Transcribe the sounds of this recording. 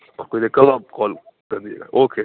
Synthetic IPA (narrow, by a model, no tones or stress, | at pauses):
pɐɾkoːinekɐlakɔːl | kɐɾd̪iḛɡa̰ːʔoːkʰe